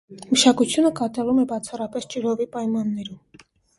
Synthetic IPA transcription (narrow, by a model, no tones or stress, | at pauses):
məʃɑkut͡sʰjunəkɑt̪ɑlumɛbɑt͡sʰɑrɑpɛst͡ʃiɾɔvipɑjmɑnːɛɾum